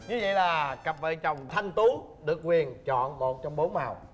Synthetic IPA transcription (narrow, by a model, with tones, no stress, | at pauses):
ɲɨ˨˦və̰˧˨jlaː˨˩kə˨˩p̚vəː˨˩jt͡ɕə˨˩wŋ͡mt̪ʰə˧ŋt̪u˨˦ | ɗɨ˨˩ək̚ːwi˨˩ənt͡ɕɔ̰˧˨nmo˨˩t̚t͡ɕɔ˧wŋ͡mɓo˨˦nmaː˨˩w